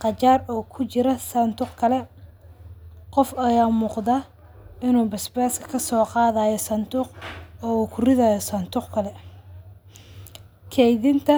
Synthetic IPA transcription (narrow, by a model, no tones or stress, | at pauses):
qɑt͡ʃaːrɔːkʰʊt͡ʃɪɾɐsɐnt̪ʰʊqkʰɐlɛ | qɔfɐjaːmuːqd̪a | ɪnuːbɪsbɛːskʰɐ̥kʰɐsɔːqɑːðaːjɔsɐnt̪ʊqɔːuːkʰʊrɪðaːjɔsɐnt̪ʊqkʰɐlɛ | kʰɛjðɪnt̪ʰɐ